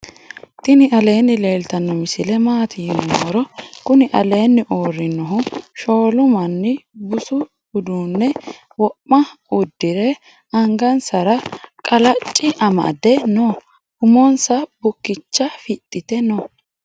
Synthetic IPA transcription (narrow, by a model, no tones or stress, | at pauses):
t̪ɪnɪʔɐle̞ːnːɪle̞ːlt̪ɐnːɔmɪsɪlɛmaːt̪ʰiːnɔɔɾɔkʊnɪʔɐ̰le̞ːnːɪʔoːrːɪnːɔɦʊʃo̞ːlʊmɐnːɪbʊsʊ | ʊd̪uːnːɛ | wɔpʼːɐʊd̪ːɪɾɛ | ɐŋɡɐnsɐɾɐkʼɐlɐt͡ʃʼːɪʔɐmɐ̰d̪ɛnɔ | hʊmɔnsɐbʊkːɪt͡ʃːɐfɪt̪ʼːɪt̪ɛnɔ